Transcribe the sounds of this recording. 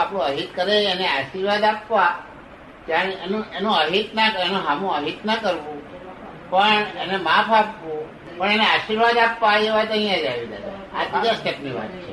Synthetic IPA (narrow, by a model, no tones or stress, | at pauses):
apɽõəɦit̪kəɾeəneaʃiɾʋad̪apʋa | d͡ʒ̪jaenũenũəɦit̪naenũɦamũəɦit̪nəkəɾʋũ | pəɳənemapʰapʋũ | pəɳeneaʃiɾʋad̪apʋaeʋat̪ə̃ɦĩjãd͡ʒaʋid̪ət̪aa̰t̪ɡasʈepniʋa̰t̪t͡ʃʰe